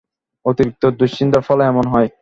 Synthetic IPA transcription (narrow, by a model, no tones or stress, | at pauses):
ot̪iɾik̚t̪od̪uʃind̪aɾfɔlɛmonɦɔj